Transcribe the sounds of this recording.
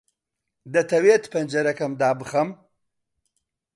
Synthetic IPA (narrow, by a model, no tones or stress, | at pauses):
d̪ɐt̪ʰɐweːt̪pʰɐnd͡ʒɐɾɐkɐmd̪aːbɨχɐm